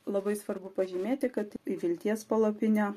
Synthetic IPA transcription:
lˠɐbɐɪsʋɐɾbʊpɐʒʲimʲeːt̪ʲɪkɐt̪iʋʲɪlʲt̪ʲiɛspɐlˠɐpʲɪnʲoː

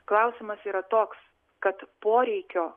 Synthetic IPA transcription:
klˠɐʊsʲɪmɐsiːɾɐt̪oːks | kɐt̪poːɾʲɛɪkʲoː

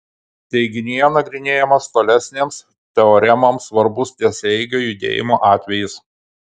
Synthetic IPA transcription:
t̪ʲɛɪɡʲɪnʲɪjɛnɐɡɾʲɪnʲeːjɛmɐst̪oːlʲæsʲnʲeːms | t̪ʲɛɔɾʲɛmɐmsʋɐɾbʊst̪ʲiɛsʲɛɪɡʲoːjʊd̪ʲḛːjɪmoːʔɑːt̪ʲʋʲɛjɪs

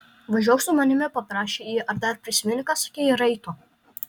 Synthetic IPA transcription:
ʋɐʒʲoɔsʊmɐnʲɪmʲɛpɐpɾɑːʃʲejiːʔɐɾd̪ɐɾpʲɾʲɪsʲɪmʲɪnʲkɐsɐ̥kʲeːjɪɾɐɪt̪ʊ

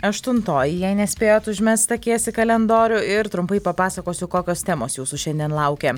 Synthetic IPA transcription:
ɐʃt̪ʊnt̪oːjɪjɛɪnʲɛsʲpʲeːjoːt̪ʊʒʲmʲɛst̪ɐkʲiɛsʲɪkɐlʲɛnd̪oːɾʲʊɪɾt̪ɾʊmpɐɪpɐpɑːsɐkoːsʲʊkoːkʲoːst̪ʲɛːmoːsjuːsʊʃʲɛnʲd̪ʲiɛnlˠɐʊkʲe

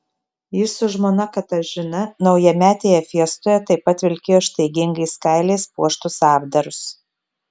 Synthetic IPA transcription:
jɪsʊʒmoːnɐkɐt̪ɐʒʲɪnɐnɒʊjɛmʲæːt̪ʲeːjɛfʲiɛst̪oːjɛt̪ɐɪpɐt̪ʋʲɪlʲkʲeːjoːɪʃʲt̪ʲɛɪɡʲɪŋɡɐɪskɑɪlʲɛɪspuɔʃt̪ʊsɑːbd̪ɐɾʊs

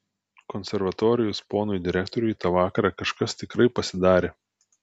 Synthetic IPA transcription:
kɔnʲsʲɛɾʋɐt̪oːɾʲɪjʊspoːnʊjd̪ʲɪɾʲɛk̚t̪ɔɾʲʊjt̪ɑːʋɑːkɐɾɑkɐʃkɐst̪ʲɪkɾɐɪpɐsʲɪd̪ɑːɾʲeː

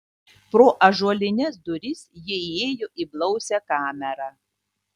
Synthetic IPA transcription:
pɾoːʔɐʒuɔlʲɪnʲɛs̬d̪ʊɾʲɪsʲjɛeːjoʔiːˑblˠɒʊsʲɛkɑːmʲɛɾɑː

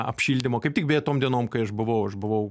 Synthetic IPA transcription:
ɐ̰pʲʃʲiːlʲd̪ʲɪmoːkɐɪptʲɪk̚bʲeːɛt̪oːmd̪ʲiɛnoːmkɐɪɐʃbʊʋɐʊɐʃbʊʋɐʊ

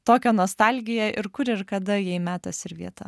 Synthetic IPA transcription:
t̪oːkʲoːnoːst̪ɐlʲɡʲɪjɛʔɪɾkʊɾɪɾkɐd̪ɐjɛɪmʲæːt̪osʲɪɾʋʲḭɛt̪ɐ

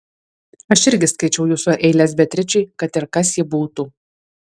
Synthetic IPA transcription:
ɐʃɪɾʲɡʲɪskɐɪt͡ʃʲɛʊjuːsoʔɛɪlʲeːsbʲɛt̪ʲɾʲɪt͡ʃʲʊɪkɐt̪ɪɾkɐsjɪbuːt̪uː

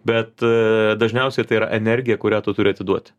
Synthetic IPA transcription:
bʲɛt̪d̪ɐʒʲnʲɛʊsʲɛɪt̪ɐɪiɾɐ̰ʔɛnʲɛɾʲɡʲɪjɛkʊɾʲæːt̪ʊt̪ʊɾʲɪɐt̪ʲɪd̪uɔt̪ʲ

